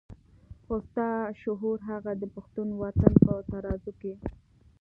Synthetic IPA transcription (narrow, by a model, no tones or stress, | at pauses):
ost̪ɑʃʊɦuɾɦaɣad̪əpaxt̪unwat̪anpət̪aɾɑzuke